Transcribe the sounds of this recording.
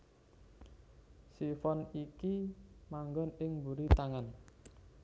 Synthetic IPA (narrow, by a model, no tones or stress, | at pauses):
sifɔnikimaŋɡɔnɪŋbuɾit̪aŋan